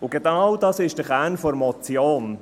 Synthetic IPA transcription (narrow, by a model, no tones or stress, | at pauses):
ʊɡenɑwdɑsɪʃd̥əχænfɔɾmɔt͡sjoːn